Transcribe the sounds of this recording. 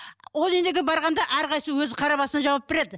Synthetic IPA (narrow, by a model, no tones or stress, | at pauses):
wolˠend̪e̞ɡʲɪbɑɾʁɑnd̪ɑʔæɾqʰɑjsəwɵzqʰɑɾɑpɑsənɑʒɑwɑp̚beɾe̞d̪ɪ